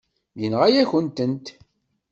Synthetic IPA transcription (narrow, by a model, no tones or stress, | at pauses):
jənʁæjæçənt̪ənt̪